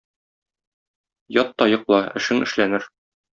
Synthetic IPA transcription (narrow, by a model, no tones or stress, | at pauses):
jɒt̪ːɒjɤ̆qlˠɑɘ̆ʃɘŋʔɘ̆ʃlænɘɾ